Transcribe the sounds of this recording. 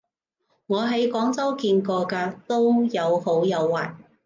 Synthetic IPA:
ŋɔː˨˧ɦɐ˨˥jkɔː˨˥ŋt͡sɐ˥wkiː˧nkɔː˧kaː˧t̪o˥wjɐ˨˧who˨˥wjɐ˨˧wːaː˨j

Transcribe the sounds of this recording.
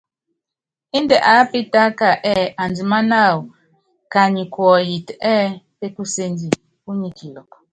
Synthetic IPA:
i˦ndɛ˨ʔa˨˦pi˦ta˦ka˨ʔɛ˦ʔa˨nd͡zi˨ma˦na˦˨wu˨ | ka˨ɲi˨kwɔ˨ji˨tɛː˦pe˦ku˦se˦nd͡ʒi˨ | ku˦ɲi˦˨kʰi˨lɔ˨k

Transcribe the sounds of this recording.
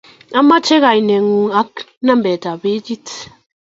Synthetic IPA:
a˦ma˦t͡ʃɛ˦ɣa˨jnɛ˨ŋu˨a˦k | nã˦mbɛ˨ta˨be˦d͡ʒi˦t

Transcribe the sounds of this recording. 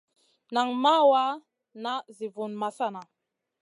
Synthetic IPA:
na˨ŋma˦wa˦ | na˦zi˨vu˨nma˨sa˦˨na˨

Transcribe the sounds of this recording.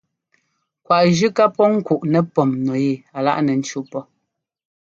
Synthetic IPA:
kwa˨ʔʒʉ˦ka˦pɔ˦ŋ̩˦ku˨ʔnɛ˨pɔ˨mnɔ˨je˦˨a˨la̰˦ʔnɛ˨n̩˦t͡ʃu˦pɔ˦

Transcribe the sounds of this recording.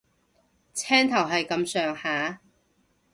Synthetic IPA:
t͡sʰɛː˥ŋt̪ʰɐ˨˩wɦɐ˨jkɐ˨˧msœː˨ŋhaː˨˥

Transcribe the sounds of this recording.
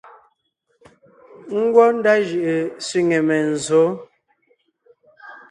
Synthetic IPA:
ŋ̩˦ɡwɔ˦n̩˦da˦ʒɯ˨ʔe˨sɥi˦ŋe˨mɛ˨n̩˨zo˨˦

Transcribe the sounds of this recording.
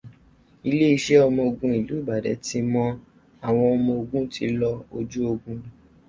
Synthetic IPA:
i˧le˦i˧˦ʃe˦ɔ˧mɔ̃˧o˧ɡũ˧i˨lu˨˦i˦˨ba˨dɛ̰˨˦ti˧˦mɔ̃˦ | a˨w̃ɔ̃˧ɔ˧mɔ̃˧o˧ɡũ˦ti˨˦lɔ˧o˧d͡ʒu˦o˧ɡũ˧˨

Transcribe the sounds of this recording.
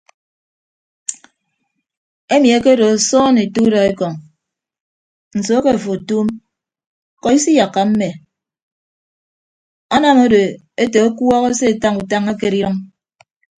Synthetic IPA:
e˦mi˨e˦ke˦do˨a˨sɔː˦ne˨tu˦dɔ˨e˦kɔ˨ŋ | n̩˨so˨˦a˦ke˦˨fo˨tu˦m | kɔ˨i˦si˦ja˨kːa˨m̩˦me˨ | a˦na˦˨mo˦do˨ | e˦te˨o˦kwɔ˦ɣɔ˦se˦e˨ta˦ŋu˨ta˦ŋa˦ke˦ɾi˦ɾɔ˦ŋ

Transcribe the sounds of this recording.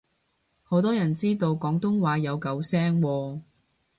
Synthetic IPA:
ho˨˥wt̪ɔː˥jɐ˨˩nt͡siː˥t̪o˧wkɔː˨˥ŋt̪ʊ˥ŋwaː˨˧jɐ˨˧wkɐ˨˧wsɛː˥ŋwɔː˧

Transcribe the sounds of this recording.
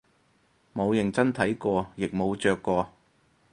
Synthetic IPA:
mo˨˧wjɪ˨˩ŋt͡sɐ˥nt̪ʰɐ˨˥jkɔː˧jɪ˨k̚mo˨˧wt͡ʃœː˧kːɔː˧

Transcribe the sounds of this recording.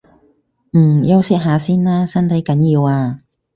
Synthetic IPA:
m̩˨˩jɐ˥wsɪ˥k̚ɦaː˨˧siː˥nlaː˥sɐ˥nt̪ʰɐ˨˥jkɐ˨˥njiː˧waː˧

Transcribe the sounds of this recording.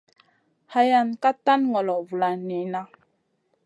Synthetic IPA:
ha˨˦ja˨nka˦ta˦nŋɔ˨lɔ˨vu˨la˨ni˨na˦

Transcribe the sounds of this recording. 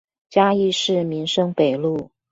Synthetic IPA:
t͡ɕja˥i˥˧ʂɻ̩˥˩mi˧˥ŋʂɤ˥ŋpe˨˩ɪlu˥˩

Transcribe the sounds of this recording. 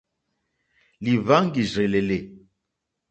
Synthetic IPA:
li˨va˦ŋ˦ɡi˨ʒe˨le˨le˨

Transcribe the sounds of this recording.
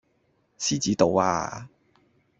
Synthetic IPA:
siː˥t͡siː˨˥t̪o˨˧wa̰ː˧

